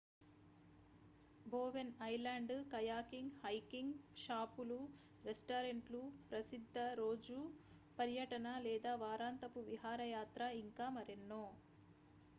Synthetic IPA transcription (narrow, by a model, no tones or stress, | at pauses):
boːʋenɐjlaːɳɖkɐjaːkiŋɡhɐjkiŋɡʃaːpulu | ɾesʈaːɾeɳʈlupɾɐsid̪ʱːɐɾoːd͡ʒu | pɐɾjɐʈɐnɐlɛːd̪aːʋaːɾaːnt̪ɐpuʋiɦaːɾɐjaːt̪ɾɐiŋkaːmɐɾenːoː